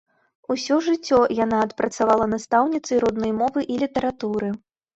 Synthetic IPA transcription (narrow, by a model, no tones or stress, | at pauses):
usʲɔʐɨt͡sʲːɔjanaːt̪pɾɐt̪savalˠɐnast̪awnʲit̪sɐjɾɔd̪nɔjmɔvɨʔilʲit̪ɐɾat̪uɾɨ